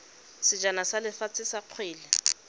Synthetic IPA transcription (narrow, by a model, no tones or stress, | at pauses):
sɪd͡ʒanasalɪfat͡sɪsaq͡χʰweːlɪ